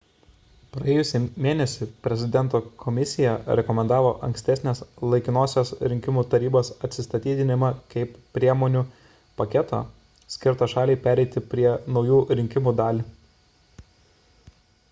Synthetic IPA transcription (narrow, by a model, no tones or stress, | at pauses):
pɾɐeːjʊsʲɪmʲeːnʲɛsʲɪpʲɾʲɛzʲɪd̪ʲɛnt̪oːkʰɔmʲɪsʲɪjɛɾʲɛkɔmʲɛnd̪ɑːʋo̰ːʔɐ̰ŋʲksʲt̪ʲɛsʲnʲeːslˠɐɪkʲɪnoːsʲosɾʲɪŋʲkʲɪmuːt̪ɐɾʲiːboːsɐt̪ʲsʲɪst̪ɐt̪ʲiːd̪ʲɪnʲɪmɐkɐɪppːʲɾʲiɛmoːnʲuː | pɐkʲɛt̪o̰ː | sʲkʲɪɾt̪ɑʃɑːlʲɛɪpʲæːɾʲɛɪt̪ʲɪpʲɾʲiɛnɒʊjuːɾʲɪŋʲkʲɪmuːd̪ɑːlʲiː